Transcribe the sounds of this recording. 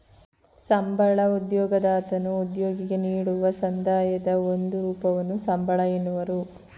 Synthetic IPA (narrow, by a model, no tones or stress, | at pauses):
sɐmbʱɐɭɐud̪jɔːɡɐd̪aːt̪ɐnuud̪joːɡiɡe̞niːɽuʋɐsɐnd̪ʱaːjɐd̪ɐond̪uɾuːpɐʋɐnːusɐmbʱɐɭɐjenːuʋɐɾu